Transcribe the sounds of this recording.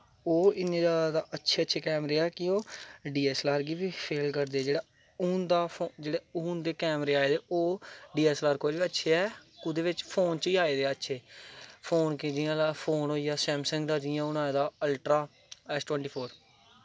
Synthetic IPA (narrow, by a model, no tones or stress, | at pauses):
oːɪnẽːd̪aːd̪aːʔətːʃʰeːətːʃʰeːkɛːmɾeːaːkɪoːɖiːɛːslaːɾɡiːbiːpʰeːlkəɾd̪eːɛːd͡ʒeːɽaː | uːnd̪aːpod͡ʒeːɽeːuːnd̪eːkɛːmɾeːaːeːd̪eːoːɖiːɛːslaːɾkoːbiːətːʃʰeːɛːkʊd̪eːʋɪt͡ʃpʰoːnt͡ʃiːaːeːd̪eːaːətːʃʰeːpʰoːnkɪd͡ʒɪjãːlapʰoːnɦoːiːaːsɛːmsə̃ŋɡd̪aːd͡ʒɪãːʊnãːd̪aːəlʈɾaː | ɛːsʈwɛ̃ːɳʈiːpʰoːɾ